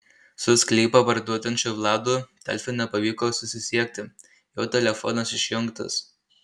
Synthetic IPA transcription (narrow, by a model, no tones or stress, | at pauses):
sʊsʲklʲiːpɐpɐɾd̪uɔt̪ʲɐnʲt͡ʃʲʊʋlˠɑːd̪uːt̪ʲɛ̰lʲfʲɪnʲɛpɐʋʲiːkoːsʊsʲɪsʲiɛk̚ʲt̪ʲɪ | joːt̪ʲɛlʲɛfɔ̰ːnɐsɪʃʲjʊŋkt̪ɐ̰s